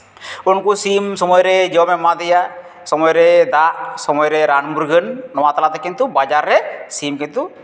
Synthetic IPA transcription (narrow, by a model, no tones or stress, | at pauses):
unkusimsɔmɔjɾɛd͡ʒɔwmɛmad̪ɛja | sɔmɔjɾɛd̪aʔsɔmɔjɾɛɾanmuɾɡʱənːɔwat̪alat̪ɛkint̪ubad͡ʒaɾːɛsimkint̪u